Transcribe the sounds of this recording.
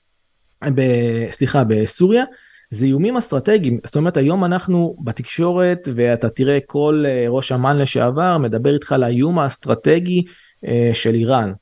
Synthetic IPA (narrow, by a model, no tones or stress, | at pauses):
besliχabe̞suʁja | zejumimast̪ʁat̪e̞ɡimzotome̞ʁe̞t̪ajo̞manaχnubat̪ikʃo̞ʁe̞t̪ve̞at̪at̪iʁe̞kʰo̞leʁo̞ʃamanleʃḛavaʁme̞d̪abe̞ʁit̪χalajjumast̪ʁate̞ɡi | ʃe̞liʁan